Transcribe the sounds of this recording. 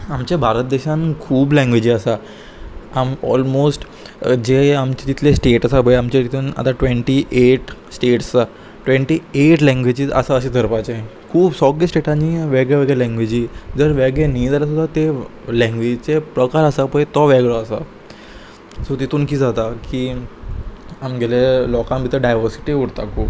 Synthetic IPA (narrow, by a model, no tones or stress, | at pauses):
amt͡ɕebʱaɾət̪̚d̪eɕãnkʰuːblɛ̃ŋɡʋed͡ʑiːəsa | amɔ̰lmosʈ | d͡ʑeamt͡ɕt̪it̪ʰlesʈeʈəsabʱəamt͡ɕet̪it̪ʰuːna̰t̪aʈʋeɳʈiʔeʈsʈeʈst͡sa | ʈʋẽɳʈiːeʈlɛ̃ŋɡʋed͡ʑiə̰saəɕed̪ʱəɾpat͡ɕẽkʰuːpsɔɡesʈeʈãniʋɛɡɭeʋɛɡɭelɛ̃ŋɡʋed͡ʑiːd͡zəɾʋɛɡɭenijd͡z̪alasud̪ʱat̪e | lɛ̃ŋɡʋed͡ʑt͡sepɾəkaɾəsapəjt̪ɔʋɛɡɭɔəsa̰ | sot̪it̪uːnkiːd͡zat̪akiː | amɡɛlelɔkãmbʱit̪əɾɖajʋəɾsi̥ʈiuɽt̪akʰuːp